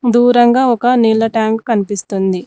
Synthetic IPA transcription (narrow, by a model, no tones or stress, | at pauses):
d̪uːɾɐŋɡaːɔkɐniːlːɐʈaːŋkkɐnipist̪und̪i